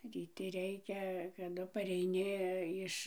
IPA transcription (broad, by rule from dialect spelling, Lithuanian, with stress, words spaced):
rʲiːˈtʲɪ ˈrʲɛɪkʲɛ kɐˈdʊ pɐrʲɛɪˈnʲɪ ˈɪʃ